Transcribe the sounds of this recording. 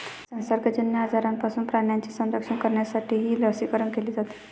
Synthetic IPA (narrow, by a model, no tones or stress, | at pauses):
sə̃nsəɾɡəd͡ʒənjaɦəd͡zaɾanpasunpɾaɳjant͡ɕisə̃nɾəkʂənkəɾɳjasaʈʰiɦiljəʋsikəɾəɳkelid͡zat̪i̥